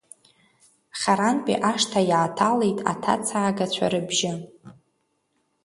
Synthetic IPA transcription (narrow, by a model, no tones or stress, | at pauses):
χʲaɾanpʼḭʔaʂtʰajaːtʰale̞jtʼa̰tʰa̰t͡sʰaːɡat͡ɕʷʰa̰ɾɨbʒɪ